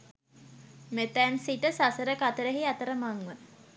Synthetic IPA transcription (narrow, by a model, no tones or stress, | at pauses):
met̪ænsiʈəsasəɾəkat̪əɾəɦiat̪əɾəmaŋʋə